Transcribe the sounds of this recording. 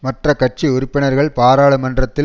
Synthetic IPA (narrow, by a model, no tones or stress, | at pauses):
mɐʈrɐkːɐʈ̚t͡ʃiʊɾʊpːɪnɐɾɣɐɭpaːɾaːɭɯmɐndrɐt̪ːɪ